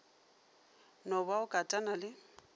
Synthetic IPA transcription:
nɔbaʊkʼatʼanalɪ

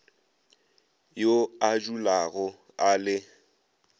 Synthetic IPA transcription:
joad͡ʒulaɣɔ | alɪ

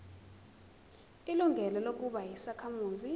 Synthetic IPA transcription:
iluŋɡʱɛlɔlok̬uɓajisakʰamuːzi

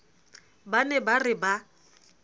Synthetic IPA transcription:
banɛbarɪba

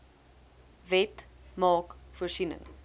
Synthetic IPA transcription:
vɛtmɑːkfuərsinə̰ŋ

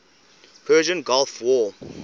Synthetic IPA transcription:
pʰɜːʒə̃nɡɔlfwɔ

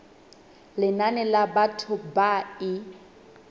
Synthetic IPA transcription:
lɪnanɛlabatʰʊbaɪ

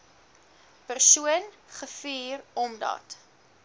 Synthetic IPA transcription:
pərsuən | χəfiːrɔmdɐ̰t

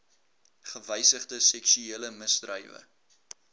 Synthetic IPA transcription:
χəvəjsəχdəsɛksyeːləməsdrəjvə̰

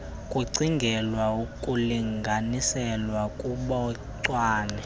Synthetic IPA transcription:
kʼuǀiŋɡʱɛlwaukʼuliŋɡʱanisɛlwakʼuɓɔ | ǀwaːnɛ

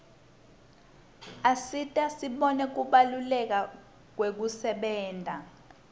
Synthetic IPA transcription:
asitʼasiɓɔnɛk̬uɓalulɛk̬a | k̬wek̬usɛɓɛːndʱa

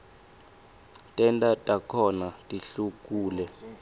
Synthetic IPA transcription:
tʼɛntʼatʼakʰɔnatʼiɬuk̬ʼuːlɛ

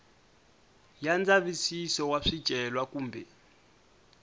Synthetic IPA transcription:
jand͡zaβisisɔwaʂid̥ʒ̥ʱɛlwakuːmbʱɛ

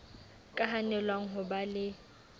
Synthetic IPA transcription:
kʼaɦanɛlwaŋ̩ɦʊbalɪ

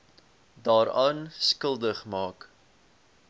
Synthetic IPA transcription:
dɑːɾɑːnskəlˠdəχmɑːk

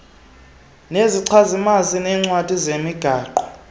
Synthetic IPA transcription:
neziǀʰazimazinɛːŋ͡ǀwad̥ʱizemiɡ̥ʱaːǃɔ̥

